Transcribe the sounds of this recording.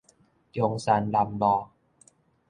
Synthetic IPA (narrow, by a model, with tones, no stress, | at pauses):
jo˧ŋsa˧nla˧mbɔː˧˩